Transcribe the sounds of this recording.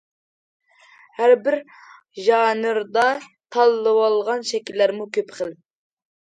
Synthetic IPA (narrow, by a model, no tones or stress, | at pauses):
hæɾbɪɾ | ʒɑːnɨɾd̪ɑt̪ʰɑlˠːɨwɑlˠʁɑnʃɛkʲilːæɾmukʲʰøpχəl